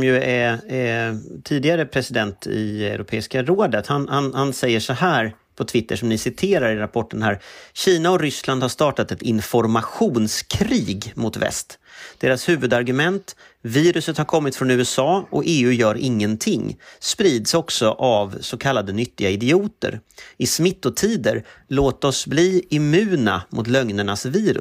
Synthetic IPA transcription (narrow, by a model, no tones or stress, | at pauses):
mjɵɛ | t̪ʰiːd̪ɪɡaɾəpʰɾɛsɪd̪ɛnt̪ɪ̰ɛɛ̰ɾʊpʰeːɪskaɾoːd̪ət̪hanhanhansɛjːəʂɔhæːɾ | pʰɔt̪ʰvɪt̪ːəʂɔmnɪsɪt̪ʰeːɾaɾɪɾapʰɔʈːənɦæːɾɕiːnaɔɾʏsland̪haʂt̪ɑːʈat̪ɛt̪ɪnfɔɾmaɧuːnskʰɾiːɡmʊt̪vɛ̰st̪d̪̥eːɾashʉ̟ːvɵd̪aɾɡɵmɛnt̪ | viːɾɵsət̪haɾkʰɔmːɪt̪fɾɔnʉ̟ːɛsɑːɔeːʉ̟jœːɾɪŋːənt̪ʰɪŋːspɾiːd̪sɔksɔʔavsɔkʰalːad̪ənʏt̪ːɪɡaɪd̪ɪuːt̪ə̰ɾɪsmɪt̪ːɔt̪ʰiːd̪əɾloːt̪ɔsbliːɪmʉ̟ːna̰mʔʊ̰t̪lœŋnəɳasviːɾɵ̰